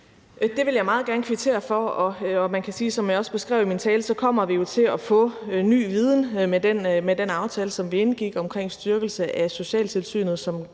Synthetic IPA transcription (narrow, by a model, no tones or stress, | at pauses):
d̥e̝ʋe̝ljɑ̈ɪmɑ̈ːð̩ˠɡæɐn̩əkʰʋit͡sʰe̝̰ːɐfɒɒ̽ɒmænkʰæsiːsɒ̽mjɑ̈ɒ̽sb̥e̝sɡ̥ʁɛ̰ːʊ̰imint͡sʰɛːləsɒ̽kʰɒ̽m̰ɐʋijo̝t͡sʰe̝lɒfɔ̽ny̰ːʋið̞ˠn̩medenmed̥enɑ̈ʊt͡sʰɛːləsɒ̽mʋie̝nɡ̥iɡ̥ɒ̽mkʰʁeŋ̰sd̥yɐɡ̥l̩səʔæso̝ɕɛ̰ːlt͡sʰe̝lsy̰ːnð̩ˠsɒ̽m